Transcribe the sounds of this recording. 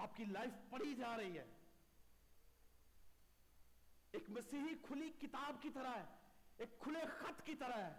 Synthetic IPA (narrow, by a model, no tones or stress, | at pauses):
aːp̚kilaːɪfpɐɽ̤id͡ʒaːɾɐɦiɦɛ̰ː | eːkmɐsiːɦikʰʊlikɪt̪aːbkit̪ɐɾaɦɛeːkʰːʊlexɐt̪kit̪ɐɾəɦɛː